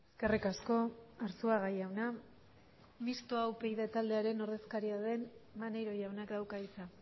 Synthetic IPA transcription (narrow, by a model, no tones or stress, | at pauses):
eske̞rikasko̞aɾsuaɣajawna | mist̪oawpejðet̪ald̪e̞aɾe̞no̞ɾðe̞skaɾiaðe̞nmanejɾo̞jawnakd̪awkait͡sa